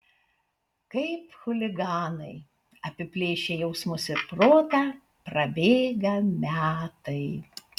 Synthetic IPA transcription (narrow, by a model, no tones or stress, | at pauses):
kɐɪpxʊlʲɪɡɑːnɐɪ | ɐpʲɪpʲlʲeːʃʲeːjɛʊsmʊsɪpɾoːt̪ɑ | pɾɐbʲeːɡɐmʲæːt̪ɐɪ